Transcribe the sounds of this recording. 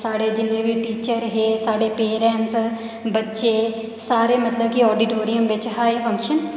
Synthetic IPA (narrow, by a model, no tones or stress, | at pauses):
saːɽeːd͡ʒɪnẽːʋiːʈiːt͡ʃəɾɦeːsaːɽeːpeːɾɛ̃ɳʈs | bətːʃeː | saːɾeːmət̪ləb̚kiɔːɖiʈoːɾiəmʋɪt͡ʃɦaːifʰə̃ŋkʃən